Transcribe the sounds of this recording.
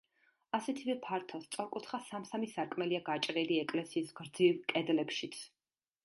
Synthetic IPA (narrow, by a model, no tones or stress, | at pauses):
asɛt̪ʰivɛpʰaɾt̪ʰɔst̪sʼɔɾkʼut̪χasamsamisaɾkʼmɛliaɡat͡ʃʼɾɛliɛkʼlɛsiːsɡɾd̪zilˠkʼɛd̪lɛpʃit̪sʰ